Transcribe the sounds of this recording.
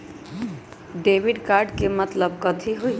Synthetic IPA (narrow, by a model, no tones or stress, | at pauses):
ɖebiɖkaɾɖkemət̪ləbkət̪ʰiɦuj